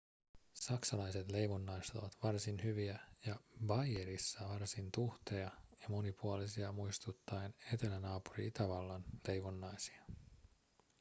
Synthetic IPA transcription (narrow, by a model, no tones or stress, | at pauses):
sɑksɑlɑjse̞t̪le̞jʋonːɑjst̪oʋɑt̪ʋɑrsinɦyʋiæjɑbɑjeɾisːɑʋɑrsint̪uht̪ejɑjɑmo̞nipuolisiɑmujst̪ut̪ːɑjne̞t̪e̞lænɑːpuɾḭit̪æʋɑlːɑnle̞jʋonːɑjsi̥ɑ